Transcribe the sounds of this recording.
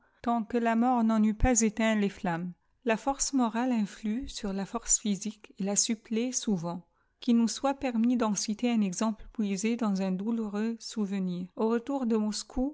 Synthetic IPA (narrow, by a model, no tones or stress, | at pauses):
t̪ɑ̃kəlamɔʁnɑ̃nypazet̪ɛ̃leflam | lafɔʁsmɔʁalɛ̃flysyʁlafɔʁsfizikelasyplesuvɑ̃ | kʲinuswapɛʁmid̪ɑ̃sit̪eɛ̃nɛɡzɑ̃pləpwɥized̪ɑ̃zɛ̃d̪uluʁøsuvəniːʁoʁət̪uʁd̪əmɔskʰu